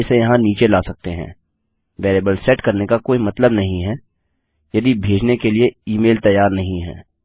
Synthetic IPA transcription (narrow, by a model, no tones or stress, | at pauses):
sejɐɦãniːt͡ʃelaːsɐk̚t̪eɦɛ̰̃ː | ʋeːɾeːbəlsɛʈkɐɾnekakoːimɐt̪ləbnɐɦĩɦɛː | jɐd̪ibʱeːd͡ʒnekelieiːmeːlt̪ɐjːaːɾnɐɦĩɦɛ̰ː